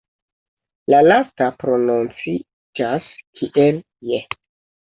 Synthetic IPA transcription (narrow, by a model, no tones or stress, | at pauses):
lalastapɾo̞nunt͡si | d͡ʒaskʰiʔel | je